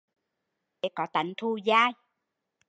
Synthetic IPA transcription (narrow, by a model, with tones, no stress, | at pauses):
ɗe˨˦kɔ˨˦t̪a˨˦ŋt̪ʰu˧zaː˧j